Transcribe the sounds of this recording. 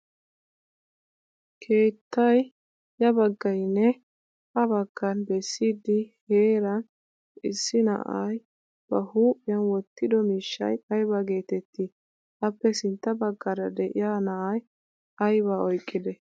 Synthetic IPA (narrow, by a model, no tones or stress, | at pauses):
kʰe̞ːt̪ʰːɐj | jɐbɐɡːɐjnːɛ | ʔɐbɐɡːɐnbɛsːiːd̪ːɪheːɾɐn | ɪsːɪnɐ̰ʔa̰j | b̥ɐhuːpʼːɪjɐnwɔt̪ːɪd̪ɔmiːʃːɐ̰jɐjbaɡe̞ːt̪ɛt̪ːi | ʔɐpːɛsɪnt̪ːɐbɐɡːɐɾɐd̪ɛʔɪ̰jaːnɐʔɐj | ɐjbaɔjkʼːɪd̪ɛ